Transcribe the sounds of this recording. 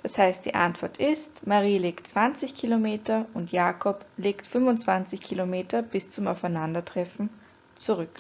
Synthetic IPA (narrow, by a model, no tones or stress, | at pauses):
dashaɪst̚d̥ḭːʔa̰ntv̥ɔɐtɪstmaʁiːleːktt͡sv̥ant͡sɪçkʰiːlomeːtɐʊntjaːkʰɔpleːktfʏnvʊnt͡sv̥ant͡sɪçkʰiːlomeːtɐb̥ɪst͡sʊmaʊfaɪnandɐtʁ̥ɛfn̩ | t͡suʁʏk